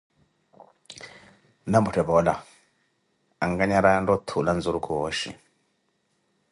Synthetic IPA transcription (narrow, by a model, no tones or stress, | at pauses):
nambutɛbɔla̰ | aŋɡaɲaɾajandɔtʰulanzuɾukʰuwɔʃḭ